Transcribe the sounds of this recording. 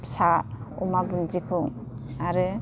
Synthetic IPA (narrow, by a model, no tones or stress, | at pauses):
saṵmabɯŋd͡ʒikʰuŋ | aɾɯ